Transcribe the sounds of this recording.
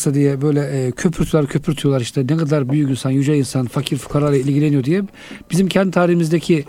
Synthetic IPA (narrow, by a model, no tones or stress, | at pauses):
sad̪ijɛbø̞jlʲɛʔcʰø̞pʰyɾt̪ʰylˠaɾcʰø̞pʰyɾt̪ʰyjolˠaɾiʃt̪ʰɛnɛɡad̪laɾbyjycinsanjyd͡ʒainsanfacʰiɾfu̥kʰaɾlˠaɾˠailʲɟilʲenijod̪ijɛ | b̥izimcʰɛnd̪it̪ʰaːɾihimizd̪ecʰi